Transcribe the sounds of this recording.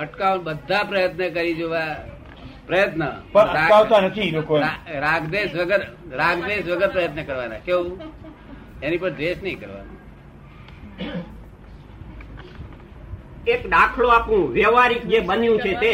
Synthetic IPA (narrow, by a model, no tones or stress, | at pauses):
əʈkaʋbəd̪ʱːapɾəjət̪nəkəɾid͡ʒoʋa | pɾəjət̪nəpəəɾaaʋt̪anət̪ʰilokoɾaɾaɡd̪eʃʋəɡəɾɾaɡd̪eʃʋəɡəɾpɾəjət̪nəkəɾʋanãkeu | enipəɾd̪eʃnəɦĩkəɾʋa̰nṵ̃ | ekɗakʰɭoapũʋɛʋaɾik̚d͡ʒebənjũt͡ʃʰet̪e